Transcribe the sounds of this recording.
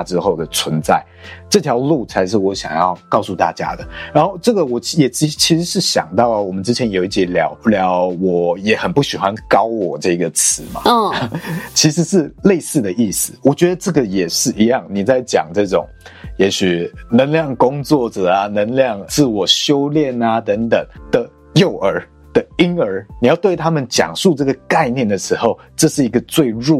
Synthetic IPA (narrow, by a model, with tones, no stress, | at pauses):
ʈ͡ʂɻ̩˥xo˥˩ʊd̪ə˩t͡sʰwə˧˦nt͡sa̰˥˩ɪʈ͡ʂɤ˥˩t̪ʰjɑ˧˥ʊlu˥˩t͡sʰa˧˥ɪʂ̬ɻ̩˥˩wɔ˧˥ɕjɑ̰˨˩ŋjɑ˥˩ʊkɑ˥˧ʊsu˥˧t̪a̰˥˨t͡ɕja̰˥d̪ə˨ɻa˧˥nxo˥˧ʊʈ͡ʂɤ˥˩ɡə˩wɔ˨˩jɛ˨˩t͡ɕi˧˥t͡ɕʰi˧˥ʂɻ̩˧˥ʂɻ̩˥˩ɕjɑ̰˨˩ŋt̪ɑ˥˩ʊə˩wɔ˨˩mə˦nʈ͡ʂɻ̩˥t͡ɕʰjɛ˧˥njo˨˩i˥˩t͡ɕjɛ˦˥ljɑ˨˧˥ʊljɑ˧˦˥ʊwɔ˨˩jɛ˨˩xə˨˩npu˥˩ɕi˨˩xwa˦nkɑ˥ʊwɔ˨˩ʈ͡ʂɤ˥˩i˧˥ɡə˨˩t͡s̩ʰ˧˦ma̰˨t͡ɕʰi˧˥ʂɻ̩˧˥ʂɻ̩˥˧le˥˧ɪsɹ̩˥˩d̪ə˩ʔi˥˩sɹ̩˩wɔ˨˩t͡ɕɥɛ˧˦d̪ə˧ʈ͡ʂɤ˥˩ɡə˨jɛ˨˩ʂɻ̩˥˩i˧˥jɑ˥˩ŋni˨˩t͡sa˥˩ɪt͡ɕjɑ̰˨˩ŋʈ͡ʂɤ˥˩ʈ͡ʂʊ̰˨˩˦ŋjɛ˧˥ɕy˨˩nə˧˥ŋljɑ˥˩ŋkʊ˦ŋt͡swɔ˥˩ʈ͡ʂə˨˩a˨nə˧˥ŋljɑ˥˩ŋt͡sɹ̩˥˩wɔ˨˩ɕjo˦˥ʊljɛ˥˨na˦t̪ə˧˥ŋt̪ə˨˩˦ŋd̪̥ə˨ | jo˥˨˩ʊʔə˞˧˥ | d̪̥ə˨i˦˥ŋə˞˧˥ni˨˩jɑ˥˧ʊt̪we˥˩ɪt̪ʰa˥mə˨nt͡ɕjɑ̰˨˩ŋʂu˥˧ʈ͡ʂɤ˥˩ɡə˩ka˥˧ɪnjɛ˥˩nd̪ə˩ʂɻ̩˧˥xo˧ʊʈ͡ʂɤ˥˧ʂɻ̩˥˩i˧˥ɡə˧t͡swe˥˧ɪɻu˥˨